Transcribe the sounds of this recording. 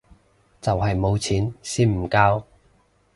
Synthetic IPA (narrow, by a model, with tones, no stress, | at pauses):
t͡sɐ˨wɦɐ˨jmo˨˧wt͡sʰiː˨˥nsiː˥nm̩˨˩kaː˥w